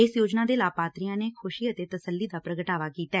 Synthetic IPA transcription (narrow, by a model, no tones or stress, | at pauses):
ɪsjoːd͡ʒnaːd̪eːlaːpaːt̪ɾijãːneːkʰʊʃiːət̪eːt̪əsəlːiːd̪aːpɾəɡəʈaːʋaːkiːt̪aɛː